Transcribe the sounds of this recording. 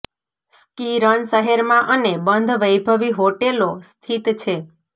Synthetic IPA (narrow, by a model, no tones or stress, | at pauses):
skiɾəɳsəɦeɾmãʔənebənd̪ʱʋəjbʱəʋiɦoʈelost̪ʰit̪t͡ʃʰe